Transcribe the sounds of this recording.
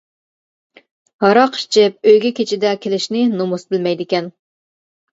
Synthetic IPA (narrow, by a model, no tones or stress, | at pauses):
hɑɾɑqʰʃt͡ʃʰɪp̚øjɡʲɛkʲʰet͡ʃʰɪd̪ɛkʲʰelɪʃnɪnomusbɪlmɛjd̪ɪkʲɛn